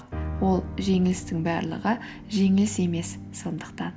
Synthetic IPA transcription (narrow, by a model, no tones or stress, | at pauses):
wo̞lˠʒe̞ŋɪlɪst̪ɪŋbæɾlˠə̰ʁə | ʒe̞ŋɪlɪse̞me̞sːo̞nd̪əqt̪ɑn